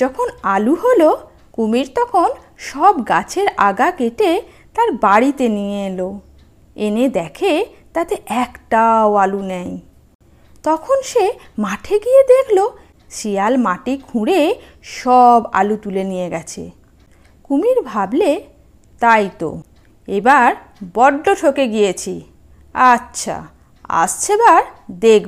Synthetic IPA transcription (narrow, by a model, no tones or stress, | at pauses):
d͡ʑɔkʰonaluɦolo | kumiɾt̪ɔkʰon | ʃɔbɡat͡ɕʰeɾaɡakeʈe | t̪aɾbaɾit̪enijelo | ened̪ɛkʰe | t̪at̪eʔɛkʈaoalunɛj | t̪ɔkʰonʃemaʈʰeɡijed̪ekʰlo | ʃijalmaʈikʰũɽe | ʃɔba̰lut̪ulenijeɡɛt͡ɕʰḛ | kumiɾbʱable | t̪ajt̪o̰ | ebaɾ | bɔɖːoʈʰokeɡijet͡ɕʰi | atːɕʰa̰ | a̰ʃt͡ɕʰebaɾd̪ek